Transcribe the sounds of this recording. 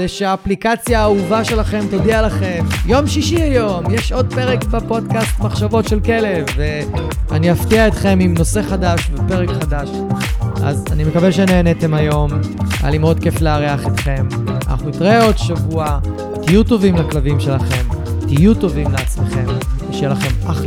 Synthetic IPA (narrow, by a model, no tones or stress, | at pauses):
eʃeaːplikat͡sjaːuvaʃe̞laχe̞mt̪odialaχe̞mjo̞mʃiʃiajo̞mjeʃo̞d̪̚pe̞ʁekbepo̞dkast̪maχʃavo̞tʃe̞lke̞le̞vːe | aniaftiaet̪χe̞mimno̞se̞χadaʃvepe̞ʁekχadaʃ | ʔa̰zanimekaveʃeneːnet̪e̞majo̞ma̰limeo̞d̚ke̞fleaʁeaχet̪χe̞ma̰na̰χnuitʁeo̞d̪ʃavua | t̪ijut̪o̞vimlaklavimʃe̞laχe̞mt̪ijuto̞vimleat͡smeχe̞mveʃejelaχe̞ma